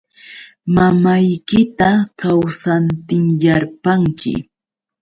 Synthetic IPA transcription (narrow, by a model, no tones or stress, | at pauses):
mamajkɪt̪akawsant̪ɪŋjaɾpaŋkɪ̰